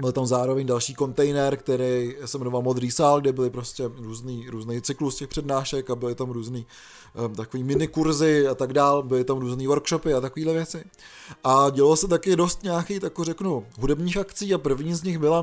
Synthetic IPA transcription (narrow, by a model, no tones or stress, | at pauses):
bɪlt̪amzaːɾo̞vɛɲdalʃiːko̞nt̪ɛjnɛɾkt̪ɛɾɛjsɛmɛnovalmo̞d̪ɾiːsaːlɡdɪbɪlɪpɾo̞scɛɾuːzniːɾuːznɛjt͡sɪkluscɛxpr̥ɛdnaːʃɛkabɪlɪt̪amɾuːzniː | t̪akoviːmɪnɪkuɾzɪat̪aɡdaːlbɪlɪt̪amɾuːzniːvo̞ɾkʃo̞pɪat̪akoviːdlɛvjɛt͡sɪ | ʔaɟɛlalsɛt̪akɪdo̞st̪ɲaːkiːt̪akorɛknuɦudɛbɲiːxakt͡siːapr̩vɲiːzɲɪxbɪla